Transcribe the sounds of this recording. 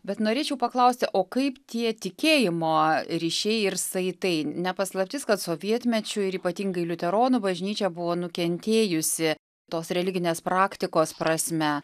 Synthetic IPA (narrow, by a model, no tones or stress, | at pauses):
bʲɛt̪noːɾʲeːt͡ʃʲɛʊpɐklˠɐʊsʲt̪ʲɪʔoːkɐɪpt̪ʲiɛt̪ʲɪkʲeːjɪmoːɾʲiːʃʲɛɪɪrsɐɪt̪ɐɪnʲɛpɐslˠɐpʲt̪ʲɪːskɐt̪soːʋʲiɛt̪ʲmʲɛt͡ʃʲʊɪɾiːpɐt̪ʲiːŋɡɐɪlʲʊt̪ʲɛɾoːnʊbɐʒʲnʲiːt͡ʃʲɛbʊʋoːnʊkʲɛnʲt̪ʲeːjʊsʲɪ | t̪oːsɾʲɛlʲɪɡʲɪnʲeːspɾɑːkt̪ʲɪkoːspɾɐsʲmʲɛ